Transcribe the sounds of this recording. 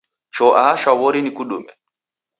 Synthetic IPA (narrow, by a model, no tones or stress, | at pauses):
t͡ʃɔʔaʃawɔɾinikuɗṵmɛ̰